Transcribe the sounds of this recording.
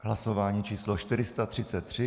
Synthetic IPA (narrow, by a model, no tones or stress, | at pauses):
ɦlasovaːɲiːt͡ʃiːsloʃt̪ɪɾɪst̪at̪r̥ɪt͡sɛt̪ːr̝̥ɪ